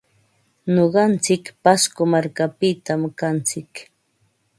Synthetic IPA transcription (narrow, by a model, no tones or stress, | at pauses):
ɲoɢɑnt͡sɪkpaskomaɾkapɪt̪amkant͡sɪk